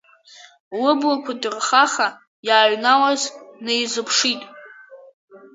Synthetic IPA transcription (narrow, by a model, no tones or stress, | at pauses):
wʊblakʷʰadɨrχaχa | jaːɥnawaznejzɨpʰʂitʼ